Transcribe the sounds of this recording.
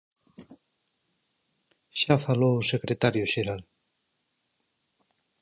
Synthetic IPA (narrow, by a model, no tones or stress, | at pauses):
ʃafalousekɾet̪aɾjoʃeɾal